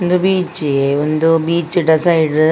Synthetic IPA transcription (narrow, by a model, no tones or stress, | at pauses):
ond̪ubiːt͡ʃeond̪ubiːt͡ʃɖisajɖ